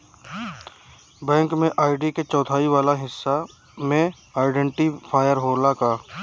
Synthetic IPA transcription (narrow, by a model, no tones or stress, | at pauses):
bɛ̃ːŋkmẽʔaːɪɖiket͡ʃɔːt̪ʰaːiʋaːlaɦɪsːa | mẽ | aːɪɖẽɳʈipʰaːjəɾɦoːlakaː